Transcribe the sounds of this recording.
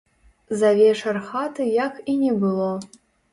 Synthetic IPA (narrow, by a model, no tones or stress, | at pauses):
zavʲeʂɤ̆rχɑt̪ɨjɑkʰinʲebɨlˠo